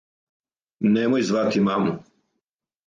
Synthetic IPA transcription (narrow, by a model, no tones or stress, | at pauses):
nemojzʋat̪imamu